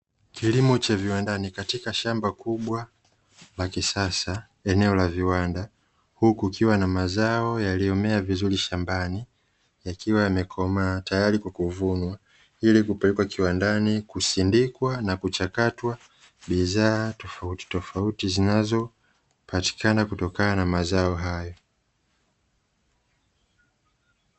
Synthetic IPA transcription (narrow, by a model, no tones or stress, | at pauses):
kilimɔt͡ʃaviwandanikatikaʃambakuɓwa | lakisasa | ɛnɛɔlaviwanda | hukukiwanamazaɔjaliɔmɛavizuliʃambani | jakiwaamɛkʰɔmatajaɾikwakuvunwa | ilikupɛlɛkwakiwandanikusindikwanakut͡ʃakatwa | ɓiðaːtɔfauti̥tɔfautizinazɔ | pati̥kanakutɔkananamazaɔɦajɔ